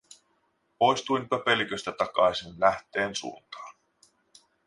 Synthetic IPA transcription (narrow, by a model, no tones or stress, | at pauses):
po̞jst̪ujnpøpe̞likøst̪æt̪ɑkɑjsinlæht̪e̞ːnsṵont̪ɑ̥ːn